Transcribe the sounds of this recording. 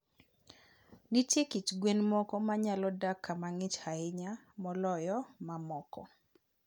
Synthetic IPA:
nitjekit͡ʃɡwenmɔkɔmaɲalɔdakʰːamaŋɪt͡ʃhaɪɲa | mɔlɔjɔmamɔkɔ̰

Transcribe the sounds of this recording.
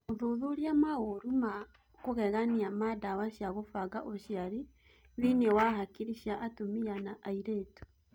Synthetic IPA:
oðuðuɾiamaɣoɾuma | koɣɛɣaniamadawaɕjaɣofaɣaʔoɕiaɾi | ðinewaɦakiɾiʃiaʔatomianaʔaiɾeːtu̥

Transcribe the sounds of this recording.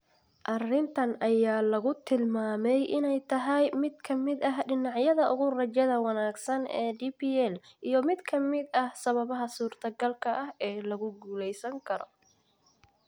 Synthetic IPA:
ʔɐrɪnt̪ʰɐnʔɐjaːlɐɣʊt̪ʰɪlmaːmɛjʔɪnɛjt̪ʰɐɦɐjmɪd̪̚kʰɐmɪd̪ɐɦɖɪnɑʕjɐðɐʔʊɣʊrɐt͡ʃɛðɐwɑnaːɡsɐnɛ̰ːɖiːpiːɛlʔijɞmɪd̪kʰɐmɪd̪ɐhsɐβɐβɐɦɐsuːrt̪ʰɐɡɐlkʰɐʔɐhɛːlɐɣʊɡuːlɛjsɐŋkʰɐɾɔ̰

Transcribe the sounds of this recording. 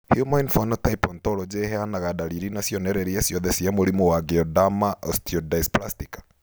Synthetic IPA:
hjumanfɔnɔtaipɔntɔɾɔd͡ʒeɦɛanaɣadaɾiɾinasjɔnɛɾɛɾiasjɔðɛsiamoɾimowaɡeɔdamaʔɔstiɔdaisplastikḁ

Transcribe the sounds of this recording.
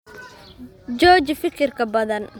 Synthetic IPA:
d͡ʒɔːt͡ʃfɪkʰɪrkʰɐbɐðɐn

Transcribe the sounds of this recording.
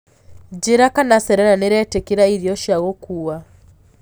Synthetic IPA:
d͡ʒeɾakanasɛɾɛɾaneɾɛtekiɾaiɾiɔʃaɣɔkua

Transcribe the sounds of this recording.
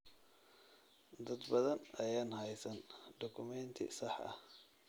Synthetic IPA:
d̪ɐd̪bɐðɐnɐjaːnhɛjsɐnd̪ɔkʰʊmɛnt̪ʰɪ̰sɑħʔɐ̰h

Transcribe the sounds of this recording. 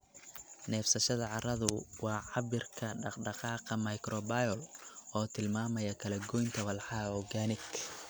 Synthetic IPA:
nɛːfsɐʃɐðɐʕɑɾɐðʊwɑːʕɑbɪrkʰɐɖɑqɖɑqɑːqɑmɐjkɾɔbajɔlʔɔːt̪ʰɪlmaːmɐjɐkʰɐlɛɡɔjnt̪ʰɐwɐlħɑɔɡanɪk

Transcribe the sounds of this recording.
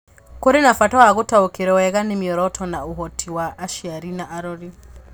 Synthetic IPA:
koɾenafatɔaɣotaokeɾɛwɛɣanemiɔɾɔtʰɔnauɦɔtʰiwaʔːʃiaɾinaʔaɾɔɾi

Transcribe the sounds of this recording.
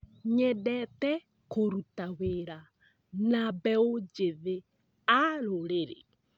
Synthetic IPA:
ɲɛdɛtɛ | koɾutaweɾa | nabɛod͡ʒeðe | aɾoɾeɾḛ

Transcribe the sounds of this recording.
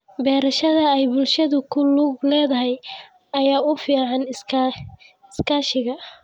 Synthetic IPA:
bɛːɾɐʃɐðɐɛjbʊlʃɐðʊkʰʊluːɡlɛːðɐɦɛj | ɐjaːʊfiːʕɑnʰ | ɪskʰaːʃɪɣɐ

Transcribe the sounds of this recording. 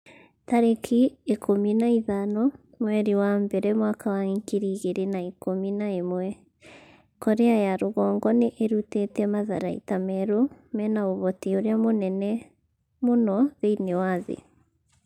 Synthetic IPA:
taɾekʰiekʰominaiðanɔ | mwɛɾiwambɛɾɛmwakawaiŋkiɾiɣeɾenaekominaemwɛ | kɔɾeajaɾoɣɔːŋɡɔneʔeɾutetɛmaðaɾaḭtamɛɾomɛnaoβɔtioɾeamonɛnɛ | monɔðeinewaðḛ

